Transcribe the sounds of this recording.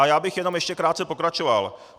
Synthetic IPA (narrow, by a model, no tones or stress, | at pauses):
ajaːbɪxjɛnomjɛʃcɛkɾaːt̪t͡sɛpo̞kɾat͡ʃova̰l